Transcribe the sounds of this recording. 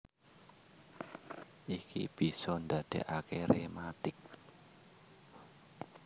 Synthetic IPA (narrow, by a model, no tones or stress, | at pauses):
ʔikʰḭb̥isɔndad̪̥e̤̰ʔakeɾemat̪ɪk̚